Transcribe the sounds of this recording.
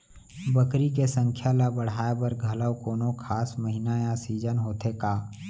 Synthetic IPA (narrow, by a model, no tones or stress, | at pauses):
bəkɾikesə̃ŋkʰjalabəɽ̤aːebɐɾɡʱɐləwkoːnokʰaːsməɦɪnajãsiːd͡ʒənɦoːt̪ʰekaː